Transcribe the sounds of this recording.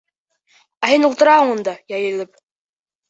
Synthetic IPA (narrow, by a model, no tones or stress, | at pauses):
æɦɘnulˠt̪ɤ̆ɾɑhɤɴŭnd̪ɑjɑjɘ̆lɘp̚